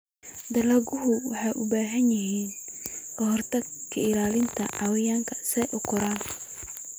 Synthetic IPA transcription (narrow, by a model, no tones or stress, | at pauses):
d̪ɐlɐɡʊɦʊwɑ̰ħɑjʔʊbaːɦɐnjɪɦiːnkʰɐɦɔrt̪ʰɐɡkʰɐɪlaːlɪnt̪ʰɐʔawɪjaːŋkʰɐsɛʔʊkʰʊɾaːn